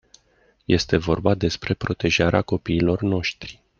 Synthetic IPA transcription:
je̞st̪e̞vo̞̰rbad̪e̞spɾe̞pɾo̞t̪e̞ʒaɾeako̞piːlo̞rno̞ʃt̪ɾi̥

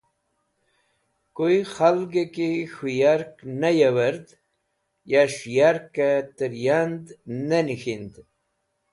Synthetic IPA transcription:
koixalɡekixujaɾknajawaɾd̪ | jaʂjaɾkat̪əɾjand̪nanixind̪

